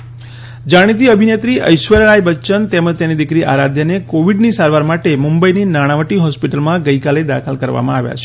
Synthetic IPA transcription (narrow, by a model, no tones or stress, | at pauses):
d͡ʒaɽ̃it̪̬iəbʱinet̪ɾiʔə̰jʃʋəɾəɳajbətːt͡ʃənt̪eməd͡ʒt̪enid̪ikɾiʔa̰ɾad̪ʱjənekoʋiɖnisaɾʋaɾmaʈemumbəininaɽ̃aʋəʈiɦɔspiʈəlmãɡəjkaled̪a̰kʰəlkəɾʋa̰mãaʋja̰t͡ʃʰe